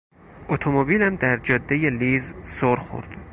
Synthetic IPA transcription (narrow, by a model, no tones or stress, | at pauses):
ʔot̪ʰomobiːlæmd̪æɾd͡ʒɒːd̪ːejeliːzsoɾxo̰ɾd̪̥